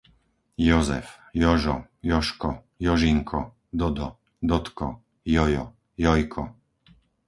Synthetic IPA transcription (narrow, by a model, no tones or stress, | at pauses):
jɔzɛ̰fjɔʒɔjɔʃkɔ | jɔʒiŋkʰɔ | d̪ɔd̪ɔ | d̪ɔt̪kɔ̰ | jɔjɔ̰ | jɔjkʰɔ